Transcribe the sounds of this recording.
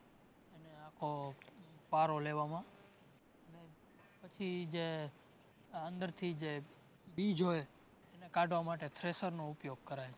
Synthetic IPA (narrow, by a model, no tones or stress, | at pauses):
eneakʰo | paɾoleʋamã | əne | pət͡ʃʰid͡ʒe | ənd̪əɾt̪ʰid͡ʒe | bid͡ʒʱɦoj | enekaɖʱʋamaʈet̪ʰɾesəɾnoupjoɡ̚kəɾajt͡ʃʰe